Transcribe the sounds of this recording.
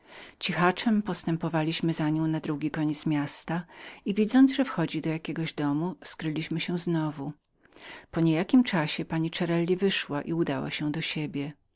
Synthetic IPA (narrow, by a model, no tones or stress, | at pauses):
t͡ɕixat͡ʂɛmpɔst̪ɛmpɔvalʲiɕmɘzaɲɔ̃w̃nad̪ɾuɡʲikɔɲɛt̪smʲjast̪aivʲid̪zɔnd̪zʐɛfxɔd͡ʑid̪ɔjakʲeɡɔʑd̪ɔmuskɾɘlʲiɕmɘɕɛznɔvu | pɔɲejakʲimt͡ʂaɕɛpaɲit͡ʂɛɾɛlʲːivɘʂwaʔiud̪awa̰ɕɛ̃d̪ɔɕebʲjɛ